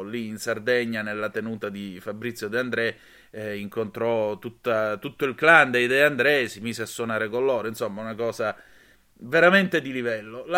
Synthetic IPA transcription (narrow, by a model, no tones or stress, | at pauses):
liːnsard̪eɲːanelːat̪enuːt̪ad̪ifabːɾit̪sːjod̪eand̪ɾɛ | iŋkont̪ɾɔt̪ut̪ːat̪ut̪ːoilkland̪ejd̪ɛand̪ɾɛsimiːzeasːwonaːɾekonlloːɾoinsomːaunakɔːza | veɾament̪ed̪ilivɛlːola